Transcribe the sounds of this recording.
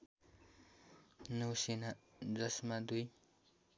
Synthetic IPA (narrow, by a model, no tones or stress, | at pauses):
nuwsinad͡zʌsmad̪uj